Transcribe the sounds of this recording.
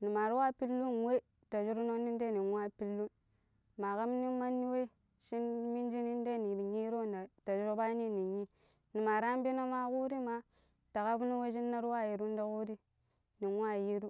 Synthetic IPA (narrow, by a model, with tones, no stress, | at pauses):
ni˨ma˨ɾu˦wa˦pi˦lːu˦n˨we˦ | ta˨d͡ʒu˦ɾu˦no˦ni˦n˦de˦˨ni˨nwʷa˦˨pi˦lːu˦n | ma˨ka˦m˦ni˦ma˦nːi˦we˦ | ʃi˦nmi˦n˦d͡ʒi˦ni˦n˦de˦˨ni˨ɾɲi˦ɾo˦˨na˨ta˨d͡ʒu˦ɾo˦ba˦ni˦˨ni˨ɲi˦ | ni˨ma˨ɾa˦m˦bi˦no˦ma˦ku˦ɾi˦ma˦ | ta˨ka˦bu˦ni˦we˦ʃ̬i˦nːa˦ɾwa˦˨ji˨ɾu˦n˦da˦ku˦ɾi˦ | ni˨n˦wa˦˨ji˦ɾu˦